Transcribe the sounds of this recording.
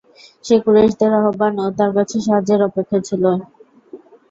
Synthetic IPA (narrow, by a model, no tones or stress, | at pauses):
ʃekuɾeʃd̪eɾaɦobanot̪aɾkat͡ɕʰeʃ̬aɦad͡ʑeɾɔpekʰːet͡ɕʰilo